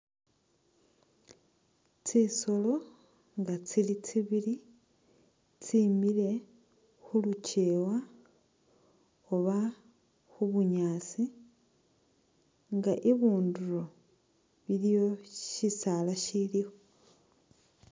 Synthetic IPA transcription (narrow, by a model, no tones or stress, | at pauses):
t͡siso̞lo̞ | ŋɡat͡silit͡siβili | t͡simile̞ | xuluce̞wa | oβa | xuβuɲaːt͡si | ŋɡaʔiβuːnduɾo̞ | βilijo̞ʃisalaʃilio